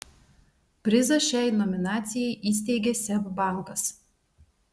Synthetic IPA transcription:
pʲɾʲɪzɐʃʲæˑɪnɔmʲɪnɑːt̪sʲɪjɛɪʔiːsʲt̪ʲɛɪɡʲɛsʲɛbbɑˑŋˑkɐs

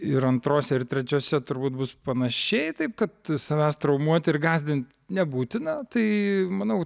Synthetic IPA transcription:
ɪɾɐnt̪ɾoːsʲɛɪɾt̪ʲɾʲɛt͡ʃʲoːsʲɛt̪ʊɾbuːt̪̚bʊspɐnɐʃʲɛɪt̪ɐɪpkɐt̪sɐʋʲæːst̪ɾɐʊmuɔt̪ʲɪɾɡɑːzʲd̪ʲɪnt̪ | nʲɛbuːt̪ʲɪnɐt̪ɐɪmɐnɐʊ

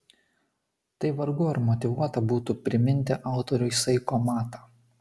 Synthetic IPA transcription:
t̪ɐɪʋɐɾɡʊɪɾmɔt̪ʲɪʋuɔt̪ɐbuːt̪uːpʲɾʲɪmʲɪnʲt̪ʲɪʔɑˑʊt̪ɔɾʲʊjsɐɪkomɑːt̪ɑ

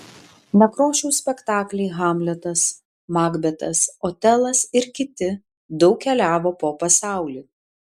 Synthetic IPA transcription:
nʲɛkɾoːʃʲuːsʲpʲɛkt̪ɑːklʲɛɪɣɑmʲlʲɛt̪ɐs | mɑːɡbʲɛt̪ɐsoːt̪ʲɛlˠɐsɪɾkʲɪt̪ʲɪ | d̪ɒʊkʲkʲɛlʲæːʋoːpoːpɐsɑˑʊlʲiː

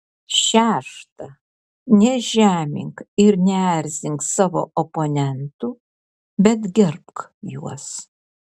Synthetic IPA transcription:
ʃʲæːʃt̪ɐ | nʲɛʒʲæːmʲɪ̰ŋkɪɾnʲɛæɾʲzʲɪŋksɑːʋo̰ːʔoponʲɛnt̪u | bʲɛt̪ɡʲɛɾpkjuɔs

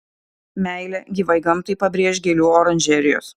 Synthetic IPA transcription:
mʲæˑɪlʲɛɡʲiʋɐɪɡɐmt̪ɐɪpɐbʲɾʲiɛʃʲɡʲelʲuːɔɾɐnʲʒʲɛːɾʲɪjo̰ːs

